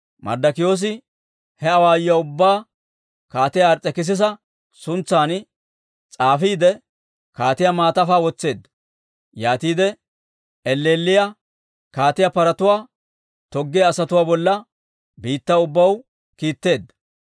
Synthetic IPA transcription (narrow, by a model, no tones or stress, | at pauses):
mʔɐ̰ɾd̪ɐkɪjo̞ːs̬ɪ | hɛɐwaːjjɐʊbːaː | kaːt̪ɪjaːɾt͡sʼːɛkɪs̬ɪs̬ɐ | sʊnt͡sːaːn | t͡sʼaːfiːd̪ɛ | kaːt̪ɪjɐmaːt̪ɐfaːwɔt͡sːe̞ːd̪ːɐ | jaːt̪iːd̪ɛ | ɛlːeːlːɪjɐ | kaːt̪ɪjapɐɾɐt̪ʊwaː | t̪ɔɡːɛjɐsɐt̪ʊwaːbɔlːɐ | biːt̪ːɐʊbːɐw | kiːt̪ːe̞ːd̪ːɐ̥